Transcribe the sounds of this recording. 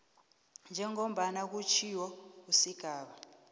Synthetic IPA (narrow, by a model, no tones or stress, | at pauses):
nd͡ʒʱɛŋom̩ɓanak̬ut͡ʃʰiwɔkusiɡ̥ʱaːɓa